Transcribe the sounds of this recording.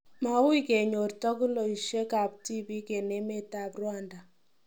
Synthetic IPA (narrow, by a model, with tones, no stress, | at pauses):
ma˦wi˦ke˨ɲo˨rtɔ˦ku˦lo˨i˨ʃje˦ka˨p̚ti˦bi˦ke˨ne˦me˦ta˦˨prwa˦˨nda˨